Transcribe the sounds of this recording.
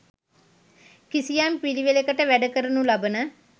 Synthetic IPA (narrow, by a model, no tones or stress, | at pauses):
kisijampiliʋelekəʈəʋæɖəkəɾənulabənə